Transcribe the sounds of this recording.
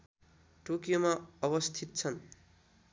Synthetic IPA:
ʈokijomaʌβʌst̪ʰit̪̚t͡sʰʌn

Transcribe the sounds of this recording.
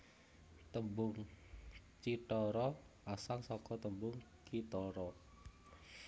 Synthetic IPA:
t̪əmbʊŋ | t͡ʃiʈɔɾɔ | asaŋsɔkɔt̪əmbʊŋ | kit̪ɔɾɔ

